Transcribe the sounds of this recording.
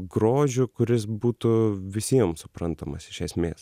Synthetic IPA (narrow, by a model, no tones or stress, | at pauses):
ɡɾoːʒʲʊkʊɾʲɪsbuːt̪ʊʋʲɪsʲiɛmsʊpɾɐnt̪ɐmɐsɪʃʲɛsʲmʲḛːs